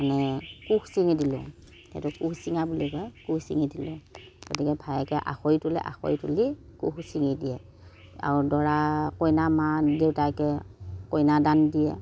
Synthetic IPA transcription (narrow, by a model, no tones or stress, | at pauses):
manɛkuxsiŋidilʊ̰̃ | tɛ̰̃tʊkuxsiŋabulikɔjkuxsḭŋidilʊ̰̃ɡ̥otikɛbʱajɛkɛʔa̰xoitulɛ̰ʔa̰xo̰jtṵlikṵxsiŋidiɛ | a̰ɹudɔɹakojnamadewtakɛkojnadandijɛ̰